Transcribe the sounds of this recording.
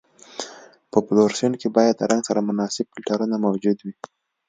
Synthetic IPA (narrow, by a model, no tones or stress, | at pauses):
pəploɾseɳkebɑjad̪ːəɾaŋɡsaɾamʊnɑsɪb̚kɪlʈaɾunamawd͡ʒud̪wi